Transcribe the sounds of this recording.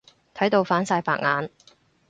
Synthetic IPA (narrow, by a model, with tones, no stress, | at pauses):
t̪ʰɐ˨˥jt̪o˧wfaː˨˥nsaː˧jpa̰ː˧k̚ŋaː˨˥n